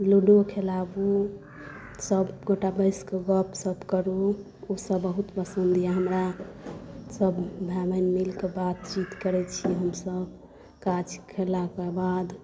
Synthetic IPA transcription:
luɖokʰelabu | səbɡoʈabəɪskeɡəpsəbkəɾu | osəbːəɦut̪pəsənd̪ijaɦəmɾa | səbbʱabənmilkebat̪t͡ʃit̪kəɾɛt͡ʃʰiɦəmsəb | kat͡ʃʰkʰelakebad̪

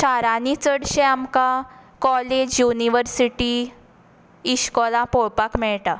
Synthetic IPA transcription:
ɕaɾanit͡səɽɕeamkakɔled͡ʑjuniʋəɾsiʈi | ɕkɔlãpɔɭpakmɛɭʈa

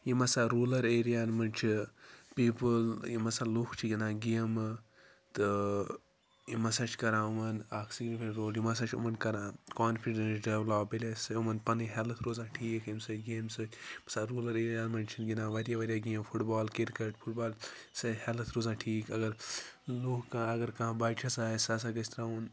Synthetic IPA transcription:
jimɐsaːɾuːlɐɾeːɾijaːnmɐnt͡ʃʰipiːpɨljimɐsaːlukt͡ʃʰiɡʲinãːɡijəm | t̪ɨ | jimɐsaːt͡ʃʰkɐɾãːumɐnaːksiɡnpeɾoːljimɐs̬aːt͡ʃʰṵmɐnkɐɾãːkaːnfiɖɐnsɖɐblaːbilʲesumɐnpɐniɦelɐt̪ʰɾoːzãːʈʰiːkimsɐɡeːmsɨkʲmɐsaɾuːlɐɾijaːnmɐnt͡ʃʰinɡʲinãːʋɐɾʲjaʋɐɾʲjaːɡemfʰuʈbaːlkiɾkɐʈfʰuʈbaːl | sɐhelɐt̪ʰɾoːzãːʈʰiːkɐɡɐɾ | lukkãɐɡɐɾkɐ̃baːt͡ʃʰasaːsas̬aɡɐsʲt̪ɾaːun

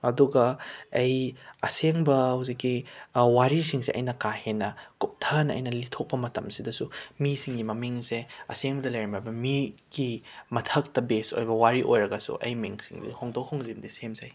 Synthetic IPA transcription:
ɐduɡɐɐjɐseŋbɐhuwzikːiwaɾisiŋseʔɐ̰jnɐkahenɐkup̚tʰɐnɐ̰jnɐlitʰok̚pɐmɐtɐmsidɐsumisiŋɡimɐmiŋseɐ̰seŋbɐdɐlɐjɾɐmabɐmiɡ̥imɐtʰɐk̚tɐbeso̰jbɐwaɾiʔojɾɐɡɐsṵʔɐ̰jmiŋsḭŋdḭhoŋdowhoŋzimdisemzɐj

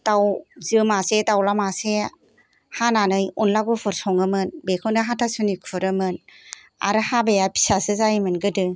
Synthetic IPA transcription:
tawzɯmasetawlamase | hananɯjunlaɡɯpʰɯɾsɔŋɯmɯnbekʰɯndɯɦatʰasunikʰuɾɯmɯn | a̰ɾɯhabejapʰi̥sasɯzajimɯnɡɯdɯ

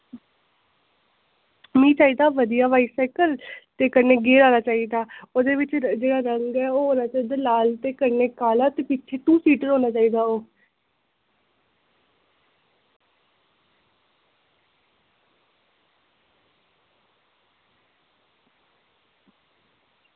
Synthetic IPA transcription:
mĩːt͡ʃaːiːd̪aːʋəd̪ijaːʋaːiːsaːkəlt̪eːkəɾneːɡeːɾaːnaːt͡ʃaːiːd̪aːoːd̪eːʋɪt͡ʃd͡ʒeːɽaːɾəŋɡɛːoːɦoːnaːt͡ʃaːiːd̪aːlaːlt̪eːkəɾneːkaːlaːt̪eːpiʃʰeːt̪ũːsiːʈəɾɦoːnaːt͡ʃaːiːd̪aːoː

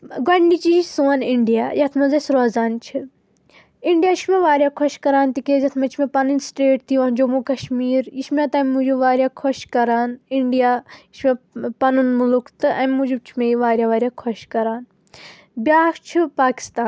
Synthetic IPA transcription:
ɡɐɳɖit͡ʃiisuɐniɳɖijaːjɐt̪ʰmɐzɐsɾoːzaːnt͡ʃʰi | iɳɖijaːʃʰmeʋaːɾʲjaːkʰɔʃkɐɾaːnt̪ikezɐt̪ʰmɐt͡ʃʰmepɐnɨnsʈeːʈ̚t̪iʋãnd͡ʒomuːkɐʃmiːɾjiʃmʲãt̪ɐmʲːud͡ʒuʋaːɾʲjaːkʰɔʃkɐɾaːniɳɖijaːjiʃmepɐnunmulukʰt̪ɨʔɐmʲːud͡ʒut͡ʃʰimeiʋaːɾjaːʋaːɾjaːkʰɔʃkɐɾaːn | bʲaːkt͡ʃʰipaːki̥st̪aːn

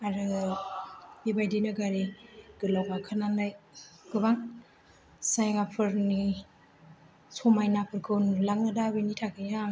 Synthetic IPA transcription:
aɾɯ | bibajdinɯɡaɾiɡ̥ɯlɔbakʰɯnanajɡ̥ɯbaŋ | sajŋapʰɯɾni | sɔmajnapʰɯɾkʰɯwnlaŋɯdabɯnitʰakʰɯja

